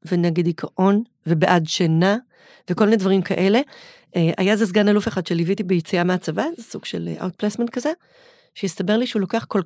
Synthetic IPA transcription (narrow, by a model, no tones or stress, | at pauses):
veneɡed̪ikʰaʔo̞n | vebeʔadʃana | vekolminedvɐʁimkʰaʔe̞le̞ | ʔeʔa̰jazez̬ɡanalufeχad̥̪ʃelivitibejit͡siameat͡savazesuɡ̥ʃḛl̰ʔa̰ut̪̚plesmentkaze | ʃejist̪abe̞ʁliʃeulo̞keaχkol